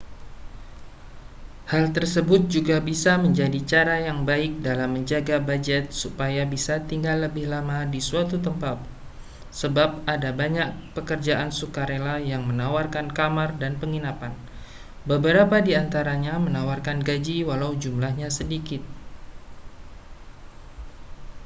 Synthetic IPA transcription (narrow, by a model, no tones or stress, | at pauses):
halt̪ərsəbʊt̪̚d͡ʒuɡabisaməɲd͡ʒadit͡ʃaɾajaŋbaɪk̚dalamːəɲd͡ʒaɡabad͡ʒɛt̪̚supajabisat̪iŋɡalːəbɪhlamadisuat̪ut̪əmpat̪̚ | səbap̚adabaɲak̚pəkərd͡ʒaʔansukaɾelajaŋmənawarkankamardanpəŋinapan | bəbəɾapadiant̪aɾaɲamənawarkanɡad͡ʒiwalawd͡ʒumlahɲasədikɪt̪̚